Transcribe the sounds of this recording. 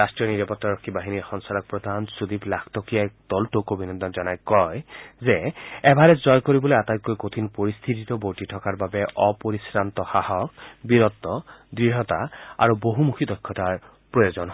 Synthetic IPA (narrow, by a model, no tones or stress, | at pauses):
astɹijɔniɹɔpɔtːaɹɔkʰːibaɦinixɔŋsaɹɔk̚pɹɔd̪ʱansud̪iplakʰtɔkijakdɔltokobʱinɔnd̪ʱɔnzɔnajkɔjzɛɛbaɹɛzɔjkoɹibɔlojatajkːojkot̪ʰinpoɹist̪ʰititɔbowtitʰɔkaɹbabɛʔɔpoɹisɹant̪ɔxahɔk̚biɹɔt̪ːɔdɹiɦɔtaa̰ɹuboɦumukʰidɔjkʰːɔtaɹ | pɹɔjozɔnɦɔ